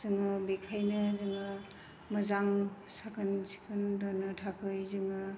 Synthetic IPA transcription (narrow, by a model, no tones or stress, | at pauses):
zɯŋɯbikʰajnɯzɯŋɯ | məzaŋ | sakʰɯnsi̥kʰɯndɔnɯtʰakʰɯjzɯŋɯ